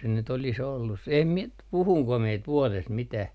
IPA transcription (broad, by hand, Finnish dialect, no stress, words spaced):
se nyt olis olːus se em mie nyt puhuŋko mie t ʋuɔlest mitæh